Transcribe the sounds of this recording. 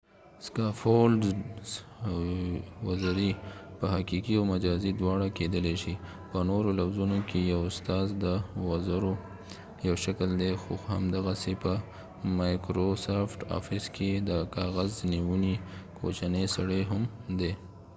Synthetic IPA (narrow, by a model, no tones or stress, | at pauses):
skɑfolɖ | wazaɾipəɦakikiawmad͡ʒɑzid̪wɑɽaked̪əleʃi | pənoɾolafzunokʰejawʊst̪ɑzd̪əwazaɾo | jawʃakəld̪exohamd̪aɣasepə | majkɾosafʈa̰fɪskʰed̪əkɑɣazniwunikʰo̰t͡ʃanəjsaɽəjɦamd̪e